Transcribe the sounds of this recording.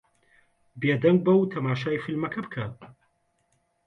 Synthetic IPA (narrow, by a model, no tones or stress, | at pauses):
beːd̪ɐŋɡ̚bɐwt̪ʰɐmaːʃaːjfilmɐkʰɐbɨkʰɐ